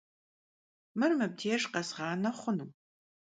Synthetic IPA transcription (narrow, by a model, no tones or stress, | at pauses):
mɨrmɨb̚dʰeːʂqɐsʁɑːnɐχʷʊnɨm